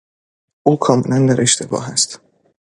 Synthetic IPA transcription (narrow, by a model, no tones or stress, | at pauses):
ʔuːkʰɒːmḛlænd̪æɾʔe̞ʃt̪ʰe̞bɒ̰ːɦæst̪